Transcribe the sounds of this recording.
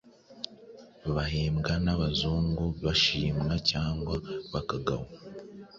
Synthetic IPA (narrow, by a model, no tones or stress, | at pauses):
βaɦeːmɡanaβazuːŋɡuβaʃiːmŋacaːŋɡwaβakaɡa̰ha